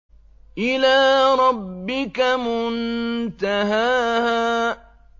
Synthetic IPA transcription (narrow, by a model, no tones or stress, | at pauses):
ʔɪlaːɾˤɑbːɪkamʊnt̪aɦaːhaː